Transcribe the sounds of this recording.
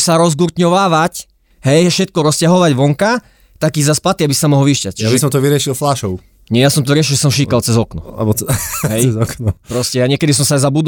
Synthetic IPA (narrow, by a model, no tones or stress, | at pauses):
saɾɔzɡuɾt̪ɲɔʋaːʋac | ɦɛjfʃɛt̪̚kɔɾɔscaɦɔʋaɟʋɔŋka | t̪akiːzaspat̪iabisamɔɦɔlʋiʃcac̚t͡ʃjabisɔmt̪ɔʋiɾɪɛʃilflaːʃɔʊ | ɲɛjasɔmt̪ɔɾɪɛʃ̬ilʒɛs̬ɔmʃikalt͡sɛzɔknɔ̰bɦɛjɛzɔknɔpɾɔscɛjaɲɪɛkɛd̪is̬ɔmsajzabud̪